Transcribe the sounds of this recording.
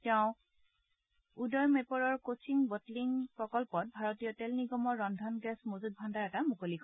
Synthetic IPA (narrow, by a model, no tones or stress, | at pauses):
tɛʊ̃ | udɔjmepɔɹɔɹkosʰiŋbɔtliŋpɹɔkɔlpɔt̚bʱaɹotijɔtɛlniɡɔmɔɹːɔndʱɔnɡɛsmozut̚bʱandaɹɛtamukolikʰ